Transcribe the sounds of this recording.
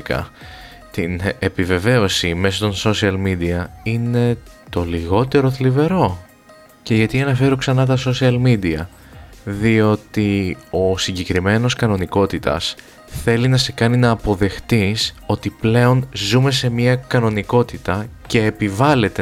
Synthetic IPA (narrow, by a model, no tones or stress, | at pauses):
kɐ̰ | t̪inepive̞ve̞o̞sime̞sot̪o̞nso̞siɐlmid̪iɐine̞t̪o̞liɣo̞t̪e̞ɾo̞θlive̞ɾo̞ | ce̞ʝɐt̪iɐnɐfe̞ɾoksɐnɐt̪ɐso̞siɐlmid̪iɐ | ðio̞t̪io̞siɲɟe̞kɾime̞no̞skɐno̞niko̞t̪it̪ɐ̰s | θe̞linɐse̞kɐninɐːpo̞ðe̞xt̪iso̞t̪iple̞o̞nzume̞se̞miɐkɐno̞niko̞t̪it̪ɐce̞ːpivɐle̞t̪e